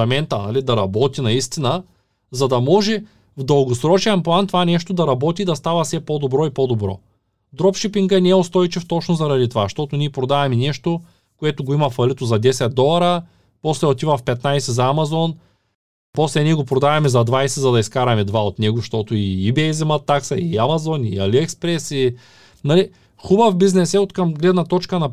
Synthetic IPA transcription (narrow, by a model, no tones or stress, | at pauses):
ɛmɛnt̪ɐnalid̪ɐɾɐbɔt̪inɐist̪inə | zɐd̪ɐmɔʒɛ | vd̪ɐlˠɡosɾɔt͡ʃiɛnplˠant̪ovanɛʃt̪od̪ɐɾɐbɔt̪id̪ɐst̪avɐsɛpod̪obɾɔipod̪obɾɔ̰ | d̪ɾɔpʃipiŋɡəɛnɛɛost̪ɔjt͡ʃift̪ɔt͡ʃnozɐɾɐd̪it̪ovaʃt̪ɔt̪ʊniɛpɾod̪avɛmɛnɛʃt̪o | koɛt̪ʊɡoimɐfɐlit̪ozɐd̪ɛsɛt̪̚d̪ɔlˠɐɾɐ | pɔslɛot̪ivɐfpɛt̪najsɛzɐːmazɔn | pɔslɛniɛɡopɾod̪avɛmɛzɐd̪vajsɛzɐd̪ɐiskaɾɐmɛd̪vaot̪nɛɡoʃt̪ɔt̪oiːbɛizɛmat̪ːaksɐiamazɔnia̰liɛkspɾɛsi | nali | xubɐfbiznɛsɛot̪kɐmɡlɛd̪nɐt̪ɔt͡ʃkɐnɐ